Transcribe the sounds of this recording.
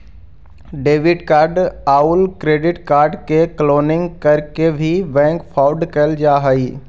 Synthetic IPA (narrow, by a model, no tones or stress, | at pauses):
ɖeːʋɪɖkaːɾɖaːʊlkɾeːɖɪʈkaːɾɖkekloːnɪ̃ŋɡkɐɾkebʱibɛ̃ːŋkpʰaːʊɖkəld͡ʒaːɦəiː